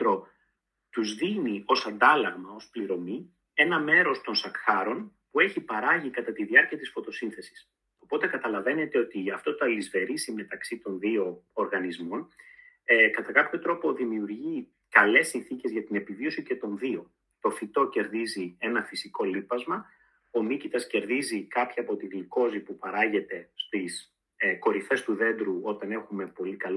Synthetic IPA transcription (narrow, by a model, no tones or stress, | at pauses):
ɾo̞ | t̪uzðinio̞sɐnd̪ɐlɐɣmɐo̞spliɾo̞mi | e̞nɐme̞ɾo̞st̪o̞nsɐkxɐɾo̞n | pue̞çipɐɾɐʝikɐt̪ɐt̪iðiɐɾciɐt̪isfo̞t̪o̞sinθe̞si̥s | o̞po̞t̪e̞kɐt̪ɐlɐve̞ne̞t̪e̞o̞t̪iɐft̪o̞t̪oɐlizve̞ɾisime̞t̪ɐksit̪o̞nðio̞ːɾɣɐnizmo̞n | kɐt̪ɐkɐpço̞t̪ɾo̞po̞ðimiuɾʝi | kɐle̞sːinθice̞zʝɐt̪ine̞pivio̞sice̞t̪o̞nðio̞ | t̪o̞fit̪o̞ce̞ɾðizie̞nɐfisiko̞lipɐzmɐ | o̞nicit̪ɐsce̞ɾðizikɐpçɐːpo̞t̪iɣliko̞zipupɐɾɐʝe̞t̪e̞st̪is | ko̞ɾife̞st̪uðe̞nd̪ɾuo̞t̪ɐne̞xume̞po̞likɐl